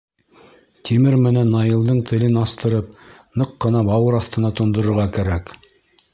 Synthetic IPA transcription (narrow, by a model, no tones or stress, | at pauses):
t̪imɘɾmɘ̆nænːɑjɤ̆lˠd̪ɤɴt̪ʰɘ̆lɘnɑst̪ɤ̆ɾɤp̚nɤqːɤ̆nɑbɑwɤɾɑθt̪ɤ̆nɑt̪ŏnd̪ŏɾɤ̆ɾʁɑkæɾæk